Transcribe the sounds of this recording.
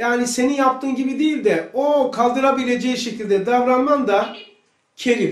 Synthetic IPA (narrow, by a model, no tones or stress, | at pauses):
jaːnise̞ninjap̚t̪ʰɯːmɟibid̪ijilʲd̪ɛokʰalˠd̪ɯɾabilʲe̞d͡ʒɛjʃe̞cʰilʲd̪ɛd̪avɾanmand̪a | cʰe̞lʲi